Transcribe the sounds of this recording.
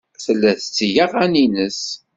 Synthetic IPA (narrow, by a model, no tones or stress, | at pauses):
θəlːæθət͡sːjaʁæninəs